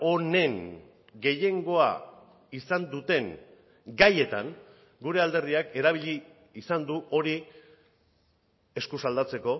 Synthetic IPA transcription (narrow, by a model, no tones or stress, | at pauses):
o̞ne̞ŋ | ɡe̞je̞ŋɡo̞a̰ | isand̪ut̪e̞ŋ | ɡaje̞t̪aŋ | ɡuɾe̞ald̪e̞ɾðiake̞ɾaβ̞iʎiː | sand̪uo̞ɾi | e̞skusald̪at͡se̞ko̞